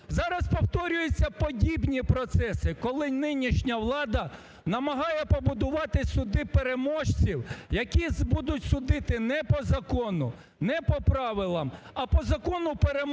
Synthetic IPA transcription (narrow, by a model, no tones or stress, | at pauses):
zɑɾɐspɔwt̪ɔɾʲʊjet͡sʲːɐpɔdʲibnʲipɾɔt̪sɛsɪkɔlˠɪnɪnʲiʃnʲɐʋlˠɑd̪ɐ | nɐmɐɦɑjɛpɔbʊd̪ʊʋɑt̪ɪsʊd̪ɪpeɾemɔʃt͡sʲiwjɐkʲizbud̪ʊtʲsʊd̪ɪt̪ɪnɛpɔzɐkɔnʊ̰ | nɛpɔpɾɑʋɪlˠɐm | ɐpɔzɐkɔnʊpeɾem